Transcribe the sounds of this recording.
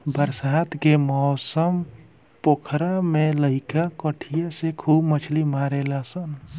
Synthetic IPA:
bəɾsat̪ʰkemɔːsəm | pokʰɾameləɦɪkakəʈʰijasekʰubmət͡ʃʰlimaɾelasən

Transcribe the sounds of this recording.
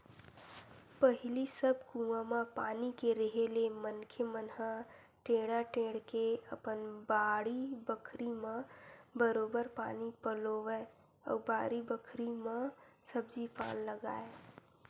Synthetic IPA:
pəɦɪlisəbkũãmãpaːnikeɾeɦelemənkʰəmənɦã | ʈẽːɽaʈẽːɽkeəpənbaːɽibəkʰɾimãbəɾoːbəɾpaːnipəloʋe | ɔ̰ːbaːɾibəkʰɾimãsəbd͡ʒipa̰ːnləɡa̰ːe

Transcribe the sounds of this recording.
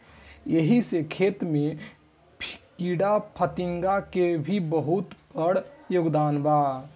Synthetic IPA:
jeɦisekʰet̪me | pʰkiɽapʰət̪iŋɡakebʱibəɦut̪pəɽjoɡd̪aːnba

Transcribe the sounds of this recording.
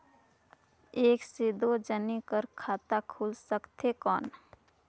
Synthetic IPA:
eːksed̪od͡ʒənikəɾkʰaːt̪akʰuːlsəkt̪ɦekɔːn

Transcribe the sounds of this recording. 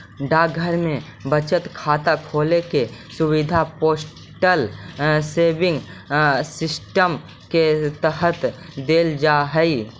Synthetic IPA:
ɖaɡʱəɾmẽ | bət͡ʃət̪kʰaːt̪akʰoːlekesʊwɪd̪ʱapoːs | ʈəlseːbɪ̃ŋɡsɪsʈəm | ket̪əɦət̪d̪eːld͡ʒaːɦəi

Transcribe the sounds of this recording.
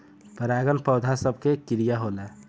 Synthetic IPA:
pəɾaɡənpəʊd̪ʱasəb̚kekiɾijaɦolɛ

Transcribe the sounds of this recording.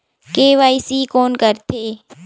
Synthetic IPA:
keːʋaːisiːkoːnkəɾt̪ʰeː

